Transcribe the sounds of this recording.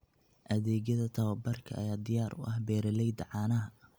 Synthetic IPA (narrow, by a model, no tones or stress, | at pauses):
ʔɐðɛːɣjɐðɐt̪ʰɐwɐbɐrkʰɐɐ̰jaːd̪ɪjaːɾʔʊ̰ʔɐhbɛːɾɐlɛjd̪ɐʕɑːnɐɦɐ